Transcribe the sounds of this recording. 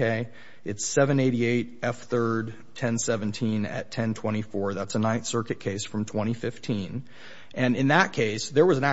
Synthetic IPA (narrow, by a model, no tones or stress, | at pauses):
eɪ | ɨtsɛvɨ̃neɪɾieɪɾɛfθɜ˞d̚ | tʰɛ̃nsɛvɨ̃ntʰĩnɨ̰tʰɛ̃ntʰw̥ɛ̃ɾ̃ifɔɹðætsənãɪ̃nθsɜ˞kɨt̚kʰeɪsfɹʌ̃mtʰw̥ɛ̃ɾ̃ifɪftʰĩn | ʔɨ̃nɨ̃nðət̚kʰeɪsðə˞wʌzɨ̃næ